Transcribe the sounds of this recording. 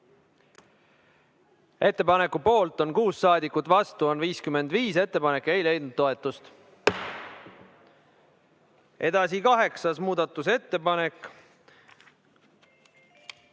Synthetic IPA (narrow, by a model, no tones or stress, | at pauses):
e̞t̪ːe̞pɑne̞kːupo̞ːlt̪ˑo̞nkuːsːɑːd̪ikːˑut̪ːˑvɑst̪uo̞nviːskyme̞nd̪̥viːse̞t̪ːe̞pɑne̞kːe̞jle̞jd̪nud̪̥̚t̪ːo̞e̞t̪ːˑust̪ | ʔe̞d̪̥ɑsikɑɦe̞ksɑsmuːd̪ɑt̪ːˑuse̞t̪ːe̞pɑne̞kːˑ